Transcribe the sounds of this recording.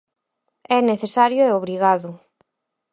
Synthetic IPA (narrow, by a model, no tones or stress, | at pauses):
ɛneθesaɾjʊɛoβɾiɣaðʊ